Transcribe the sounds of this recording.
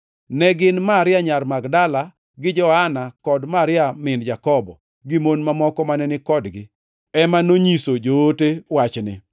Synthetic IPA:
nɛɡɪnmaɾɪjaɲarmaɡdala | ɡɪd͡ʒɔhanakɔdmaɾɪamɪnd͡ʒakɔbɔ̰ | ɡimonmamɔkɔmanɛnɪkɔdɡɪ | ɛmanoɲisod͡ʒoːtewat͡ʃnɪ̰

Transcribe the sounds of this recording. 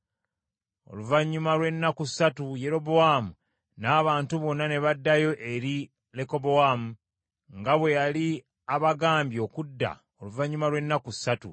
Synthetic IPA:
o̞̰luvaɲːumalwe̞nːakusːatuje̞ɾo̞boamu | naːβaːntuβo̞nːane̞βadːajo̞ʔe̞ɾi | le̞ko̞bowamu | ŋɡaβwe̞jali | aβaɡaːmbjo̞ːkudːa̰ | o̞luvaɲːumalwe̞nːaku̥sːatṵ

